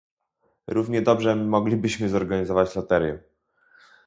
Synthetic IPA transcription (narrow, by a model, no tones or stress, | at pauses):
ɾʔuvɲɛd̪ɔbʐɛmɔɡlʲibɘɕmɘzɔɾɡaɲizɔvat͡ɕlɔt̪ɛɾʲjɛ